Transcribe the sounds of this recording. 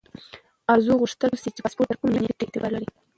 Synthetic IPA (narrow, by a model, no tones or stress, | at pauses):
aɾzuɣuʂt̪əlsit͡ʃebaspoʈt̪əɾkʊmneneʈɪk̚t̪ebaɾlaɾi